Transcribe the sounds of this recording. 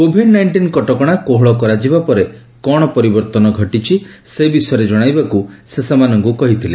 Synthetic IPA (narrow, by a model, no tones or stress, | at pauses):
kobʱiɖnajɳʈinkɔʈɔkɔɽ̃akoɦɔɭɔkɔɾad͡ʒibapɔɾe | kɔɽ̃ɔpɔɾibɔɾt̪ɔnɔɡʱɔʈit͡ʃʰisebisɔjɔɾed͡ʒɔɽ̃ajbakusesemanɔŋkukɔɦit̪ʰile